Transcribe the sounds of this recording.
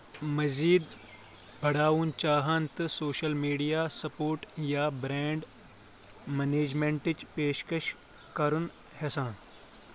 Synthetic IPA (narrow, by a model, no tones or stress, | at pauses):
mɐziːd̪ | bʱɐɽaːʋunt͡ʃaːɦaːnt̪ɨsoːʃəlmiːɖijaːsɐpoːɾʈjaːbɾẽːɳɖ | meneːd͡ʒmẽɳʈɪt͡ʃpeːʃkəʃ | kɐɾun | hɛsãːn